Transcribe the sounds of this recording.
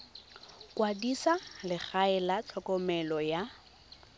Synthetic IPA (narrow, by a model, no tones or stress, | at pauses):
kʼwadisalɪk͡xaɛlat͡ɬʰɔkʼɔmɛlɔja